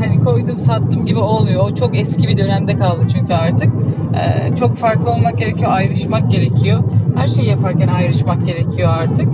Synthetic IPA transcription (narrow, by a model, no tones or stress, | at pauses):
hanikʰo̞jd̪umsat̪ːɯmɟibio̞lˠmujoːt͡ʃʰo̞kɛscibid̪ø̞næmd̪ɛkalˠd̪ɯt͡ʃʰyɲcʰyaɾt̪ʰɯk̚ɛ̰ːt͡ʃʰo̞kfaɾklˠɯo̞lˠmak̚ɟʲe̞ɾe̞cʰijo̞ajɾɯʃmak̚ɟe̞ɾe̞cʰijo̞hæɾʃe̞jjapʰaɾcænajɾɯʃmak̚ɟe̞ɾe̞cʰijo̞aɾt̪ʰɯk̚